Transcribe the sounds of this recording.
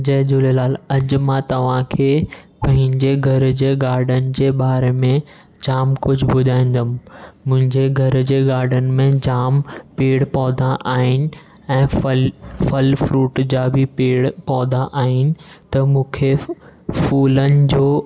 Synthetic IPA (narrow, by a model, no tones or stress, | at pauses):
d͡ʑɐɦɪ̃d͡ʑʊlelaːlɐd͡ʑmãt̪ɐʋ̤ãkʰeː | pɐ̃ɦɪ̃ɲd͡ʑeɡʱɐɾd͡ʑeːɡaːɾɖənɪ̆d͡ʑeːɓaːɾemẽ | d͡ʑaːmkʊd͡ʑʱbʊd̪ʱaːĩːn̆d̪ənɪ̆ːʊ̃ɦɪ̃ɲd͡ʑeɡʱɐɾd͡ʑeːɡaːɾɖənɪ̆mẽd͡ʑaːmpeːɽpɔːd̪ʱãʔaːɦɪnɪ̆ | ɛ̃ːflfɐlfɾuːʈd͡ʑaːbʱipeːɽpɔːd̪ʱaʔaːɦɪnɪ̆t̪ɐmũːkʰefuːlənɪ̆d͡ʑoː